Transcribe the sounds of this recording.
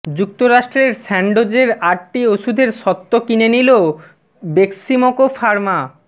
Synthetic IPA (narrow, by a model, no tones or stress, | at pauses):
d͡ʑuk̚t̪oɾaʃʈɾeɾsɛɳɖod͡ʑeɾaʈʈioʃud̪ʱeɾʃɔt̪ːokinenilo | bekʃimokofaɾma